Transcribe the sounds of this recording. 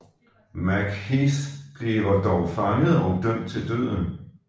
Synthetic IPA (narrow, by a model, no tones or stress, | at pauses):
mæɡ̥hisd̥ʁiːʋɐd̥ɒʊfɑ̈ŋəð̩ˠɒ̽ʊd̥œm̰d̥̚t͡sʰe̝ld̥ø̰ð̰ˠn̩